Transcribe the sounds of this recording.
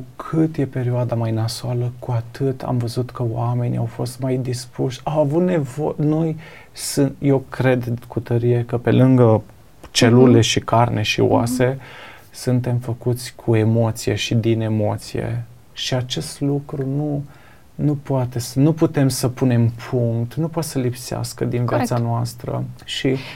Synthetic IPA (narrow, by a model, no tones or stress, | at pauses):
ukʰɨt̪je̞pe̞ɾioad̪amajnasoaləkuat̪ʰɨt̪a̰mvəzut̪kəwame̞nʲia̰wfo̞st̪majd̪ispuʃʲawavut̪ne̞vo̞no̞j | sɨje̞wkɾe̞d̪kut̪əɾije̞kəpe̞lɨŋɡə | t͡ʃe̞lule̞ʃikarnʔe̞ʃḭwa̰se̞ | sunt̪e̞mfəkut̪sʲkʰue̞mo̞t̪sije̞ʃid̪ine̞mo̞t̪sije̞̰ | ʃiat͡ʃe̞st̪lukɾunu | nupoat̪e̞snuput̪e̞msəpune̞mpʰuŋkt̪nupoat̪səlipsea̰skəd̪invjasanoast̪ɾə̰ʃi